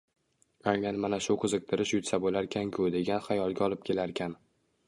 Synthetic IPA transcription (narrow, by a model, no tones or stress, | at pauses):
aŋlanmanaʃʊqʰɨzɨq̚t̪ʰɪɾɪʃjʊt̪sabolaɾkʲʰankʲʰʊd̪e̞ɡʲanχajɒlˠɡʲaɒlˠɪp̚kʲʰe̞laɾkʲʰan